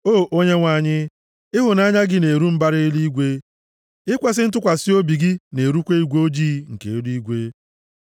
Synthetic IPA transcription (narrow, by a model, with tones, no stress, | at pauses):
oː˦˨ʔo˦ɲe˦ŋʷa˨ɲɪ˦ | ɪ˦ɦʊ˨na˦ɲa˦ɡɪ˦ne˨ɾu˦m̩˦ba˦ɾɪ˦i˦li˦ɡʷe˦ | ɪ˦kʷa˦s̬ɪ˦n̩˦tʊ˦kʷa˨sɪ˦o˦bi˨ɡɪ˦ne˨ɾu˦kʷe˦i˦ɡʷo˦d͡ʒiː˦ŋ̩˨ke˨˦di˦ɡʷe˦